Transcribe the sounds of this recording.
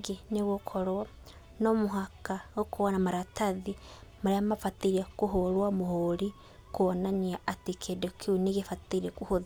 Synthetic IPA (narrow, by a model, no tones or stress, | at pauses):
ɡeneβokʰoɾwa | nomoɦakaokʰoanamaɾataðimaɾeamafatiɾiakuɦoɾwamohoɾi | kuɔnaɲiaatikʰedokʰiuneɣefatiiekuhoð